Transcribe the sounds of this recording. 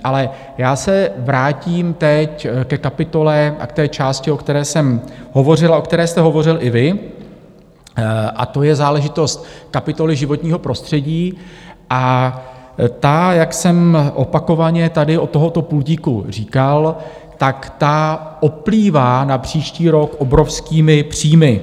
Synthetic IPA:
ʔalɛ | jaːsɛvɾaːciːmt̪ɛckɛkapɪt̪o̞lɛa̰kt̪ɛːt͡ʃaːscɪo̞kt̪ɛɾɛːsɛmɦo̞vo̞r̝ɪlaʔokt̪ɛɾɛːst̪ɛɦovo̞rɪlɪvɪ | ʔa̰t̪o̞jɛzaːlɛʒɪt̪o̞st̪kapɪt̪o̞lɪʒɪvo̞t̪ɲiːɦo̞pɾo̞st̪r̥ɛɟiːʔa | t̪ajaksɛmʔo̞pako̞vaɲɛt̪adɪʔo̞t̪ːo̞ɦo̞t̪o̞pulɟiːkṵr̝iːkal | t̪akt̪aʔo̞pliːvaːnapr̝̥iːʃciːɾo̞kʔo̞bɾo̞fskiːmɪpr̝̥iːmɪ

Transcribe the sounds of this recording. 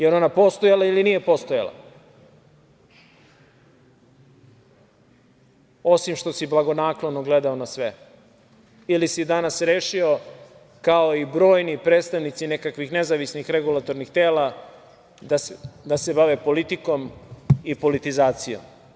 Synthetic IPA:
jeɾo̞napo̞st̪ojalailinije̞po̞st̪oja̰lˠa̰ | o̞simʃt̪o̞siblˠaɡo̞naːklˠonoɡled̪aonasʋe | ilisid̪anasɾeːʃio̞ | kaoibɾo̞ːjnipɾeːt̪st̪aʋnit̪sinekakʋixnezaʋisnixɾeɡulˠat̪o̞ɾnixt̪eːla | d̪ad̪ase̞baʋepo̞lit̪iko̞mipo̞lit̪izaːt̪sijo̰m

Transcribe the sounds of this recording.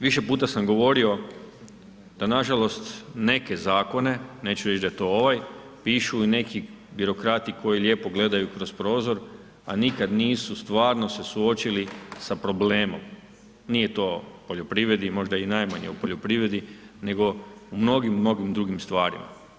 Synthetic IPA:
ʋiʃe̞puːt̪asamɡo̞ʋo̞ɾio̞ | d̪̥anaʒalo̞st̪ne̞ke̞zaːko̞ne̞ne̞ːt͡ɕuɾet͡ʃd̪ajet̪o̞o̞ʋaj | piːʃuine̞ki | biɾo̞kɾaːt̪iiko̞jiʎʲe̞ːpo̞ɡle̞d̪ajukɾo̞spɾo̞ːzo̞ɾ | a̰nikad̪niːsust̪ʋaːɾno̞se̞suot͡ɕilisapɾo̞ble̞ːmo̞̰m | nijet̪o̞po̞ʎo̞pɾiʋɾe̞d̪imo̞ʒd̪ainajmaɲeupo̞ʎo̞pɾiʋɾe̞d̪i | ne̞ɡo̞umno̞ɡimno̞ɡimd̪ɾuɡimst̪ʋaːɾḭma̰

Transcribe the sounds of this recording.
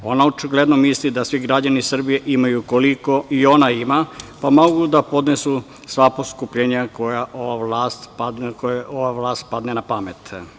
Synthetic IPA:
o̞naot͡ʃiɡle̞d̪no̞mislid̪asʋiɡɾad͡ʑanisr̩bije̞ʔimajuko̞liko̞io̞naimapamo̞ɡud̪apo̞d̪nesu | sʋaposkupʎeːɲakojaʔoaʋlaːst̪pakooʋaʋlˠaːst̪̚pad̪nenapamet̪

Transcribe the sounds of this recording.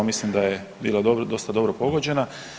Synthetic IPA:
mislimd̪aje | biːlad̪od̪o̞st̪ad̪o̞bɾopo̞ɡod͡ʑe̞na

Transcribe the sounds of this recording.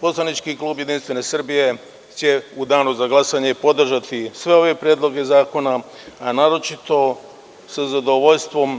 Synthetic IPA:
po̞slˠanit͡ʃkiklˠuːbjed̪inst̪ʋe̞ne̞sr̩bije̞ | t͡ɕe̞ud̪aːnuzaɡlˠasaɲe̞po̞d̪r̩ʒat̪isʋe̞o̞ʋe̞pɾjeːd̪lˠo̞ɡe̞zaːko̞naː | naːɾo̞t͡ʃit̪o̞ | sazad̪o̞ʋo̞ʎst̪ʋo̞m

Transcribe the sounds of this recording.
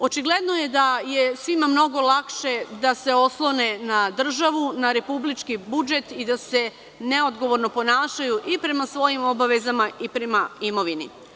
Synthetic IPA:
o̞t͡ʃiɡle̞d̪noje̞d̪ajesʋimamno̞ɡo̞lˠakʃe̞d̪ase̞o̞slˠo̞ne̞nad̪r̩ʒaʋunaɾe̞publit͡ʃkibud͡ʒe̞t̪id̪ase̞ | ne̞o̞d̪ɡo̞ʋo̞ɾno̞po̞naːʃajuʔipɾe̞masʋo̞jimo̞baʋe̞zamaʔipɾe̞maimo̞ʋini

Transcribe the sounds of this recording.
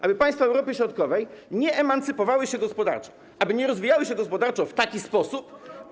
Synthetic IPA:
ʔabɘpaj̃st̪faɛwɾɔpɘɕɾɔt̪kɔvɛjɲɛʔɛmant̪sɘpɔvawɘɕɛɡɔspɔd̪a̰ɾt͡ʂɔ̥ | ʔabɘɲɛɾɔzvʲijawɘɕɛɡɔspɔd̪aɾt͡ʂɔ̃ft̪akʲispɔsup

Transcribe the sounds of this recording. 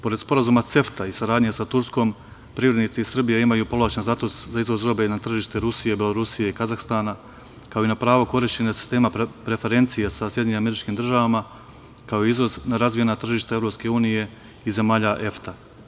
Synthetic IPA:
po̞ɾe̞d̪spo̞ɾazumat̪se̞ft̪aisaɾaːd̪ɲesat̪uɾsko̞ːm | pɾivɾed̪nit̪siisr̩bijeimajuːpo̞laːt͡ʃenzat̪oszaizʋozɾo̞be̞nat̪r̩ʒiːʃt̪e̞ɾusije̞bjeloɾusije̞ikazaxst̪aːna | kao̞inapɾaːʋo̞ko̞ɾiʃt͡ɕe̞nasi̥st̪e̞ːmapɾe̞fe̞ɾe̞nt̪sijesasjeɲeimame̞ɾit͡ʃkimd̪r̩ʒaʋama | kao̞iizʋoznaɾazʋije̞nat̪r̩ʒiːʃt̪aevɾo̞pske̞uːnije̞ | ize̞maːʎaʔe̞ft̪a

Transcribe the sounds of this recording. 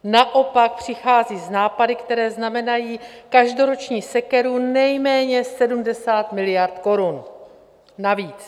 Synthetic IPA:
naʔo̞pak̚pr̝̥ɪxaːziːznaːpadɪkt̪ɛɾɛːznamɛnajiːkaʒdo̞ɾo̞t͡ʃɲiːsɛkɛɾunɛjmɛːɲɛsɛdumdɛsaːt̪mɪlɪjaɾt̪ko̞ɾun | naviːt͡s

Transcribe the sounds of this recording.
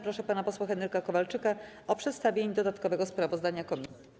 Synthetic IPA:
pɾɔʂɛpanapɔswaxɛnɛɾkakɔvalt͡ʂɘka | ɔpʂɛt̪st̪avʲjeɲd̪ɔd̪at̪kɔvɛɡɔspɾavɔzd̪aɲakɔmʲis

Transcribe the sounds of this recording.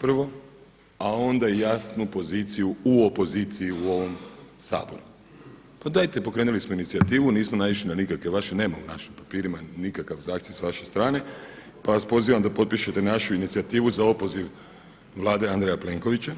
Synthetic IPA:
pr̩ʋo̞ | ao̞nd̪ajasnupo̞ziːt̪sijuuo̞po̞ziːt̪siiuo̞ʋo̞msa̰ːbo̞ɾu | pad̪ajt̪e̞po̞kɾeːnulismo̞init̪siat̪iːʋuniːsmonajʋiʃ̬linanikakʋe̞ʋaʃene̞ːmaunaʃimpapiːɾimanikakaʋzaːxt̪jeʋsʋaʃe̞st̪ɾaːne̞ | paʋaspo̞ziʋamd̪apo̞t̪̚piʃet̪e̞naʃuinit̪siat̪iːʋuzao̞po̞ziʋ | ʋlˠaːd̪eand̪ɾejaple̞ːŋko̞ʋit͡ɕa

